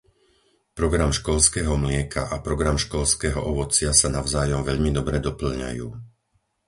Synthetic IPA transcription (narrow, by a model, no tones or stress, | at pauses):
pɾɔɡɾamʃkɔʎskɛːɦɔmlɪɛkʰaʔapɾɔɡɾamʃkɔʎskɛːɦɔʔɔʋɔt͡sɪasanaʊzaːjɔmʋɛʎmid̪ɔbɾɛd̪ɔpl̩ɲa̰juː